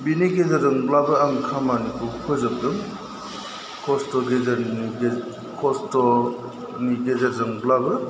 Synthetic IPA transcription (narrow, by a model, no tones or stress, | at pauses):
biniɡezeɾzɯŋblabɯaŋkʰamanikʰukʰɯzɯb̚dɯŋ | kʰɔstɔɡezɐɾi | kʰɔstɔ | niɡezeɾzɯŋblabɯ